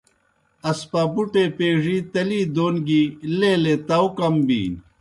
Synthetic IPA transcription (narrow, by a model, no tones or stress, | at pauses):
ɐspabuʈepeːʐiːt̪ɐliːd̪oːnɡileːlet̪ɐwkɐmbḭːn